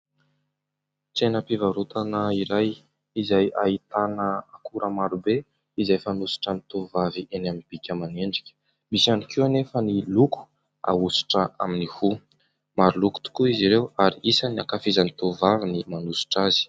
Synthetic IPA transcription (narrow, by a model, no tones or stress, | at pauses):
t͡senəpivaɾut̪anəiɾaj | izajait̪anəakuɾʔəmaɾube | izajfanusi̥ʈ͡ʂənit̪ovaviʔenaminb̥ikʲəmaneɳɖ͡ʐikʲə̥ | bisanikiwanefəniluku̥ | a̰usi̥ʈ͡ʂəʔa̰minihu | maɾuluku̥t̪u̥kuiziɾewaɾiisaniakafizanit̪ovavinimanusi̥ʈ͡ʂazi̥